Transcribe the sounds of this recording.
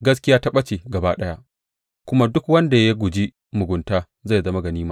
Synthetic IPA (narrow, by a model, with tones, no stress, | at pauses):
ɡɐ˦s̬kʲɪ˦jaː˦ta˦ɓɐ˦t͡ʃeː˨ɡɐ˨baː˦ɗɐ˦ja˦ʔ | kʷʊ˦ma˦dʊ˦kwɐ˦nda˨ja˦ɡʷʊ˨d͡ʒi˦ | mʊ˨ɡʷʊ˨ntaː˦ | za˦˨zɐ˦ma˦ɡɐ˨niː˦maː˦